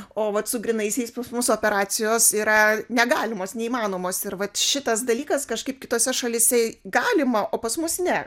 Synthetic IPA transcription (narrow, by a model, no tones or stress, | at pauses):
oːʋɐt̪sʊɡɾʲɪnɐɪsʲɛɪspɐsmʊsoːpʲɛɾɑːsʲɪjoːsiːɾɐnʲɛɡɑːlʲɪmoːsnʲɛiːmɑːnoːmoːsɪɾʋɐt̪ʃʲɪt̪ɐsd̪ɐlʲiːkɐskɐʃkɐɪp̚kʲɪt̪oːsʲɛʃɐlʲɪsʲɛɡɑːlʲɪmɐʔoːpɐsmʊsnʲɛ